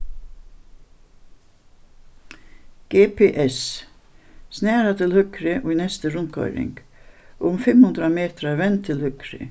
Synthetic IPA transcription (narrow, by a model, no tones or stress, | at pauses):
ɡ̥eːpʰeːʔɛs | snæːɾat̪ʰɪlhʏkɾɪʔoːinɛst̪əɾʊnkʰɔ̰ʏɾɪ̰ŋɡ̥ | ʔʊmfɛmhʉnd̪ɾameːt̪ɾɑʋɛnt̪ʰɪlhʏkɾɪ̰